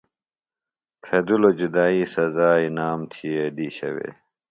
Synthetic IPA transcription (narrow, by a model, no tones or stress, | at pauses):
pʰeːd̪ulod͡ʑud̪aːiːsɐzaːinaːmt̪ʰijed̪iɕɐ̰wḛː